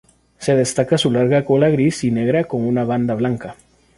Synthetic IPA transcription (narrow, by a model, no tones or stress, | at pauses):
se̞ð̞est̪akasulaɾɣakolaɣɾisine̞ɣ̞ɾako̞ŋunaβ̞and̪aβlaŋka